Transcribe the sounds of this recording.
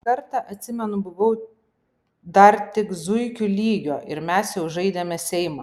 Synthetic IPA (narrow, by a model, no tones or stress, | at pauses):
kɐɾt̪ɐʔɐt̪ʲsʲɪmʲɛnʊbʊʋɐʊ | d̪ɐɾt̪ʲɪkzʊɪkʲʊlʲiːɡʲoːʔɪɾmʲɛsjɛʊʒɐɪd̪ʲemʲɛsʲɛɪmɐ